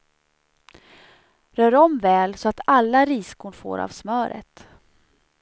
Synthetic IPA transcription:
ɾœːɖɔmvɛːlsɔat̪alːaɾiːskuːɳfo̰ːɾa̰vsmœːɾə̰t̪

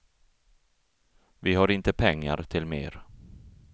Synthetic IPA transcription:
vɪɦaɾɪnt̪əpʰɛŋːa̰ɾt̪ʰɪlmḛːɾ

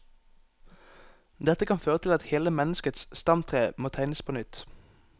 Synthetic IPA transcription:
d̪ɛt̪əkɑnføːʁət̪ʰɪlɑt̪heːləmɛnəskət̪sst̪ɑmt̪ʰʁeːmoːt̪ʰæɪnəspʰoːnʏt̪

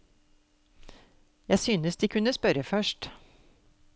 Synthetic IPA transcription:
jæɪsyːnəsd̪iːkʰʉnəspœɾəfœʃt

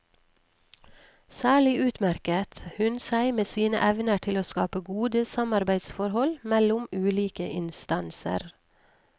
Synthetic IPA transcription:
sæːɭɪʔʉːt̪mæɾkət̪hʉnsæɪmeːsiːnə̰ʔɛʋnəʈʰɪloːskɑːpəɡuːd̪əsɑmɑɾbæɪd̪sfɔɾhɔlmɛlʊmʉːliːkəʔɪnst̪ɑnsə̰ɾ

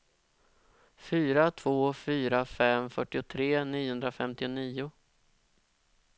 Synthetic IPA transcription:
fyːɾat̪ʰv̥oːfyːɾafɛmfœʈːɪʊt̪ʰɾeːniːʊhɵnd̪ɾafɛmt̪ɪʊniːʊ

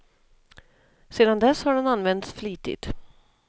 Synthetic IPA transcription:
seːd̪and̪ɛshaɖɛnanvɛnt̪sfliːt̪ɪ̰t̪

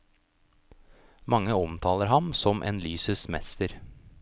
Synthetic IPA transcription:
mɑŋːəɔmt̪ʰɑːləɾɦɑmsɔmʔḛːnlyːsəsmɛ̰st̪əɾ

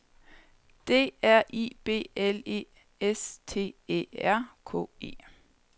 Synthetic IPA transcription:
d̥e̝̰ːæɐ̰ʔib̥e̝̰ːelḛː | est͡sʰe̝̰ːe̝̰ːæɐ̰kʰɔ̰̽ːe̝̰ː

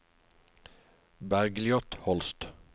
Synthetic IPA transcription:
bæɾɡlɪɔt̪hɔlst̪

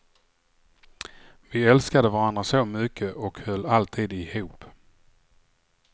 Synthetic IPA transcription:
vɪɛlskad̪əvaɾand̪ɾasomʏkʰːəʔɔkhœlːalt̪ʰiːd̪ɪhuːp

